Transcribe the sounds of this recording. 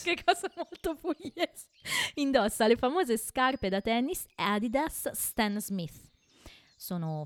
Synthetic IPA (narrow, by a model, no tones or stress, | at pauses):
kekʰːɔːzamolt̪opujes | ind̪ɔsːalefamoːzeskarped̪at̪ɛnːisad̪id̪ast̪ɛnzmiθ | soːno